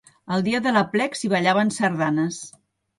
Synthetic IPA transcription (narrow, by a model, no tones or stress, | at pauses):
əlˠd̪iəðələplɛksiβəʎaβənsəɾðanəs